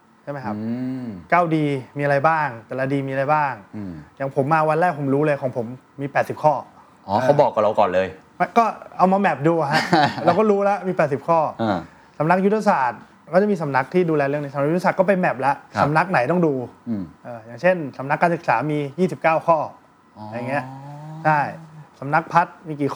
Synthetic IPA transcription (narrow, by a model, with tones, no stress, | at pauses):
t͡ɕʰa˥˩jma˦jkʰa˦˥p̚kaː˥˩wdiː˧miː˧a˧ɾa˧jbaː˥˩ŋt̪ɛː˨˩la˧diː˧miː˧a˧a˧jbaː˥˩ŋjaː˨˩ŋpʰo˩˦mːaː˧wa˧nlɛː˥˩k̚pʰo˩˦mɾuː˦˥lɤː˧jkʰɔː˩˦ŋpʰo˩˦mːiː˧pɛː˨˩t̪̚si˨˩p̚kʰɔː˥˩ | ʔɔː˨˩a˦˥wbɔː˨˩kːa˨˩ɾa˧kɔ̰ː˨˩nlɤː˧j | ma˦˥kɔː˥˩ʔa˧wma˧mɛ˨˩p̚duː˧a˨˩ɦa˦˥ʔɾa˧wkɔː˥˩ɾuː˦˥la˦˥miː˧pɛː˨˩t̪̚si˨˩p̚kʰɔː˥˩ʔ | sa˨˩˦mna˦˥k̚ju˦˥t̪ʰːa˧saː˨˩t̪̚ | kɔː˥˩t͡ɕa˨˩miː˧sa˩˦mna˦˥k̚t̪ʰiː˥˩duː˧lɛː˧ɾlɯ˥˩əniː˦˥sa˨˦n̚ʰ˦˥˦a˧a˨t̪̚kɔː˥˩pe˧nmɛ˨˩p̚la˦˥ʔsa˩˦mna˦˥k̚na˩˦jt̪ɔ˥˩ŋduː˧ʔɤː˨˩jaː˨˩ŋt͡ɕʰe˥˩nsa˩˦mna˦˥kːaː˧nsɯ˨˩k̚saː˩˦miː˧jiː˥˩si˨˩p̚kaː˥˩wkʰɔː˥˩˧ | ja˨˩ŋːi˦˥ɐt͡ɕʰa˥˩jsa˩˦mna˦˥k̚pʰa˦˥t̪̚miː˧kiː˨˩k